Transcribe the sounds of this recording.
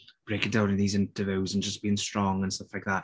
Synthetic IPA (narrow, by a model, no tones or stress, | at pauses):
b̥ɹeɪkɪ̃dãʊ̃nɪ̃nðiːzɪ̃ntəvoʊzə̃nd͡ʒʌsb̥iːɪ̃ŋstɹ̥ɔ̃ŋə̃nstʌflaɪk̚ðat